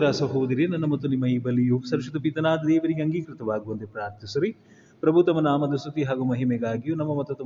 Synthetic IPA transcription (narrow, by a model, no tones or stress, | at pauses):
ɾaːsɐɦuʋud̪iɾenɐnːɐmɐt̪ːunimːɐiːbɐlːijuːpsɐɾʃɐd̪upit̪ɐnaːd̪ɐd̪eːʋɐɾiɡeɐŋɡikɾɪt̪ɐʋaːɡuʋɐnt̪epɾaːɾt̪jisɐɾi | pɾɐbʱut̪ɐmɐnaːmɐd̪ɐsut̪iɦaːɡumɐɦimeɡaːɡijunɐmːɐmɐt̪ːɐt̪u